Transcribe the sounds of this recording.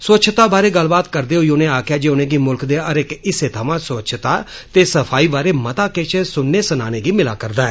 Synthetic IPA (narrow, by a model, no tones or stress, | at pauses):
st͡ʃʰt̪aːbaːɾeːɡəlbaːt̪kəɾd̪eːɦoːiːʊnẽːaːkʰjaːd͡ʒeːʊnẽːɡiːmʊlkd̪eːəɾɪkɪseːt̪ʰəmãːst͡ʃʰt̪aː | t̪eːsəpʰaːiːbaːɾeːmət̪aːket͡ʃsʊnːeːsəna̰ːnẽːɡiːmɪlaːkəɾd̪aːɛː